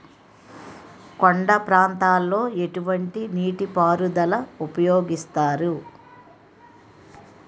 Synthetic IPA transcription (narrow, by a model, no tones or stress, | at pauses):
koɳɖɐpɾaːnt̪aːlːo̞ːe̞ʈuʋɐɳʈiniːʈipaːɾud̪ɐlɐupɐjoːɡist̪aːɾu